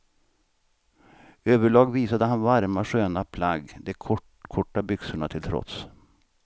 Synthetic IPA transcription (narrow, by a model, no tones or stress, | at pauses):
øːvəɭɑːɡviːsad̪əɦanvaɾmaʂøːnapʰlaɡːd̪ɛkʰɔ | kʰɔʈːabʏksəɳat̪ʰɪlt̪ʰɾɔ̰t̪s